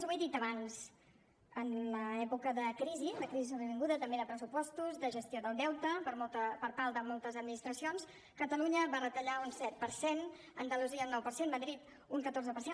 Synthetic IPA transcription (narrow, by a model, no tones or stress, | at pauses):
zβujðit̪əβanz | ənləɛpukəðəkɾiziðəkɾizizoβəβiŋɡuðət̪əmbeðəpɾəsupɔst̪uzd̪əʒəst̪ioðəlˠd̪ɛwt̪əpəpəɾpalˠd̪əmolˠt̪əzəd̪̚minist̪ɾəsions | kət̪əluɲəβarət̪əʎaunsɛt̪̚pəɾsen | ənd̪əluziəunːɔwpəɾsenməðɾit̪ | uŋkət̪orzəpəɾse